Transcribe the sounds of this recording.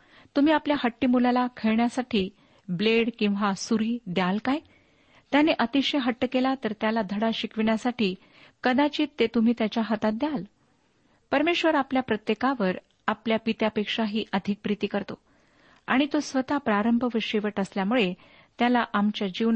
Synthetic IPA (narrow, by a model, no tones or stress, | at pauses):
t̪um̤iːapljahəʈːiːmulalakʰeɭɳjasaʈʰiː | bleɽkĩw̃ʋasuɾiːd̪jalkaj | t̪janeʔət̪iɕeɦəʈːəkelat̪əɾt̪jalad̪ʱəɽaɕikʰʋiɳjasaʈiː | kəd̪at͡ɕiːt̪ːet̪um̤iːt̪jat͡ɕjaɦət̪at̪̚d̪jal | pəɾmeɕʋəɾapljapɾət̪jekaʋəɾ | apljapit̪japekʂaɦiːʔəd̪ʱik̚pɾit̪iːkəɾt̪o | a̰ɽ̃it̪osʋət̪apɾaɾəmbʱəʋəɕeʋəʈəsljamuɭe | t̪jalaʔamt͡ɕjad͡ʑiʋ